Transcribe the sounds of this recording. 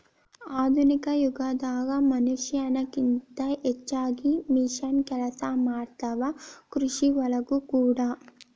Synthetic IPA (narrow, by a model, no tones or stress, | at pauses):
aːd̪ʱunikɐjuɡad̪aːɡamɐnuʂjɐnɐkint̪ɐʔɛt͡ʃːaːɡimiʂɐnkɛlɐsamaːɽt̪ɐʋɐkɾuʂiʋɐlɐkukuːɽaː